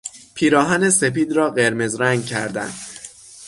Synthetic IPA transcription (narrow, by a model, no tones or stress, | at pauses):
pʰiːɾɒːɦænese̞piːd̪ɾɒːɢe̞ɾme̞zɾæŋɡ̚cʰæ̰ɾd̪æ̰nd̪̥